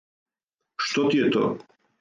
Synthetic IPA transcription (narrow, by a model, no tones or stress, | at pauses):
ʃt̪ɔt̪ijɛt̪ɔ̰